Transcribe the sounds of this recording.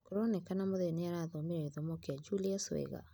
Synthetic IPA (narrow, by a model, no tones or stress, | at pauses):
koɾɔnɛkanamoðeneaɾaðɔmeɾɛiðɔmɔkead͡ʒuliaswɛ̰ɣa̰